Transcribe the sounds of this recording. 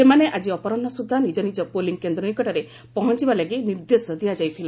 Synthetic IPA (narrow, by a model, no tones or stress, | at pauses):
semaneʔad͡ʒiɔpɔɾɔnːɔsud̪ʱːɔnid͡ʒɔnid͡ʒɔpoliŋkend̪ɾɔnikɔʈaɾe | pɔɦɔnt͡ʃibalaɡiniɾd̪esɔd̪ijad͡ʒajt̪ʰila